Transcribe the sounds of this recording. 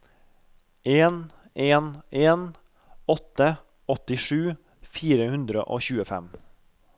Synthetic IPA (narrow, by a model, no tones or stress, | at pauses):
ʔeːn | eːnʔeːn | ɔt̪ə | ɔt̪ɪʂʉː | fiːɾəhʉnd̪ɾə̰ʔoːçʉːəfɛ̰m